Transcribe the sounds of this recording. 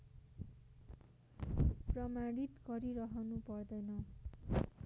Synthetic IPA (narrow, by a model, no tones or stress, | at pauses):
prʌmaɽit̪ɡʌɾiɾʌɦʌnupʌrd̪ʌjnʌ